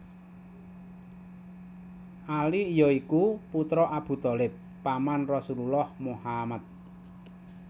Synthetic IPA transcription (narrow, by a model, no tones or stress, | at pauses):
ʔaliːjɔikuput̪ɾɔʔab̥ṳt̪ɔlɪpːamanrɔsululɔhmuhamat̪̚